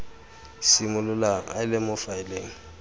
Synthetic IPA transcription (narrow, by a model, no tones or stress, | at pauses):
sɪmʊlʊlaŋ̩a̰ɪlɪmʊfaɪleːŋ̩